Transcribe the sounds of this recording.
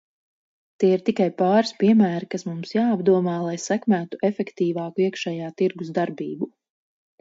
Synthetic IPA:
t̪iːiɾt̪ikajpɑːɾispiɛmæːɾikasmumsjaːabd̪uɔmaːlˠajsækmæːt̪uʔefɛkt̪iːvɑːkuiɛkʃɛːjaːt̪iɾɡuzd̪aɾbiːbu

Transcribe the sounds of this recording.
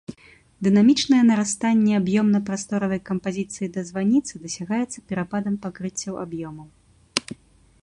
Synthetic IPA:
d̪ɨnamʲit͡ʂnɐjɛnɐɾast̪anʲːɛabjɔmnɐpɾast̪ɔɾɐvɐjkɐmpazʲit̪sɨjid̪ɐzvanʲit̪sɨd̪ɐsʲaɣajɛt̪sːɐ̥pʲɛɾapad̪ɐmpakɾɨt͡sʲːɐwa̰bjɔmɐw

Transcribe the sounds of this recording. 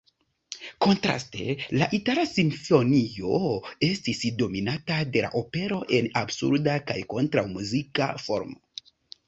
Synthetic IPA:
ko̞ntɾa̰ste̞̰laʔitalasinfo̞nio̞e̞stisdo̞minatade̞la̰ʔo̞pe̞ɾo̞ʔe̞nabsṵɾdakajko̞ntɾawmuzika̰fo̞̰ɾmo

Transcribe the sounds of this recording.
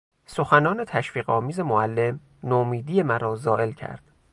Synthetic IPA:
so̞xænɒːne̞t̪ʰæʃfiːɣɒ̰ːmiːze̞moælːe̞m | nomiːd̪iːje̞mæɾɒːzɒːʔe̞lcʰæ̰ɾd̪̥

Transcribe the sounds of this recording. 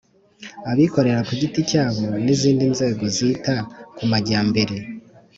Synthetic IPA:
aβiko̞ɾe̞ɾakuɟiticaːβo̞niziːndinze̞ːɡo̞zitakumaɟaːmbe̞ɾe̞

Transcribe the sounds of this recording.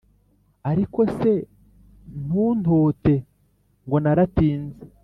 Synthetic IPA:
aɾiko̞se̞ | n̥uːn̥oːte̞ | ŋɡo̞naɾatiːnze

